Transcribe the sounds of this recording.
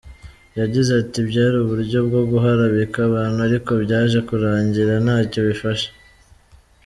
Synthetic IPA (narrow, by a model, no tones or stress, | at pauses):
jaɟizeatibɟaːɾiuβuɾɟo̞bɡo̞bɡuɦaɾaβikaβaːnhuaɾiko̞bɟaːʒe̞kuɾaːɲɟiɾanaːco̞βifaʃe̥